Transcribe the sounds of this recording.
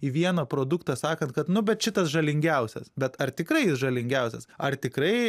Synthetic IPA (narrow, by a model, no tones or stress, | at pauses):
iʋʲiɛnɐpɾoːd̪ʊkt̪ɐsɑːkɐnt̚kɐt̪nʊbʲɛt̪ʃʲɪt̪ɐsʒɐlʲɪŋʲɡʲɛʊsʲɛ̰sbʲɛt̪ɐrt̪ʲɪkɾɐɪjɪsʒɐlʲɪŋʲɡʲɛʊsʲɛsɐrt̪ʲɪkɾɐɪ